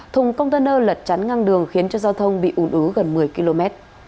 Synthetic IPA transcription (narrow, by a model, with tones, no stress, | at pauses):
t̪ʰʊ˨˩ŋ͡mkə˧wŋ͡mt̪əː˧nəː˧lə˨˩t̚t͡ɕa˨˦nŋa˧ŋɗɨ˨˩əŋxi˨˦ənt͡ɕɔ˧zaː˧wt̪ʰə˧wŋ͡mɓḭ˧˨ʔu˨˩nʔɨ˨˦ɣə˨˩nmɨ˨˩əjki˧lo˧mɛ˦˥t̚